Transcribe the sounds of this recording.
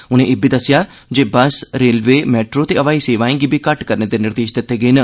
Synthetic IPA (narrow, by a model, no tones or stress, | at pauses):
ʊnẽʔɪbʱiːd̪əsɪjaː | d͡ʒeːbəsɾeːlʋeːmɛːʈɾoːt̪eəʋaːiːseːʋaːẽːɡiːbʱikəʈkəɾneːd̪enɪɾd̪eːʃd̪ɪt̪ːeːɡəinə